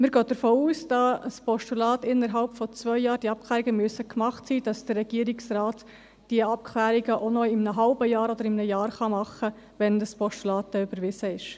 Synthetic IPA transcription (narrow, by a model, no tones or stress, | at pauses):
məɾɡøːd̥əɾfoːuːsd̥ɑsspɔʃtulɑːtɪnːəɾɦɑlpfɔt͡sʋœʏjɑːɾdiɑp̚kʰlæːɾiɡəmyəsəkmɑχtsiːd̥ɑsd̥ərːɛɡ̥iːəɾɪksraːt | d̥iəɑp̚kʰlæːɾiɡəʔonɔɪmnəɦɑlbəjɑːɾɔd̪əɾɪmnəjɑːɾχɑmɑχə | ʋɛndəspɔʃtulɑːt̚dɛybəɾʋɪsəɪʃ